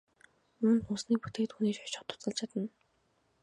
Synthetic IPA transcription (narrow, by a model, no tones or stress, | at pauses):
ʊmnt̪ʊsniːk̚pu̥t̪eːkt̪xuniːt͡ɕɔ̥t͡ɕɔ̥̆t̪ʰʊ̥t͡sə̆ɮt͡ɕʰat̪ə̆n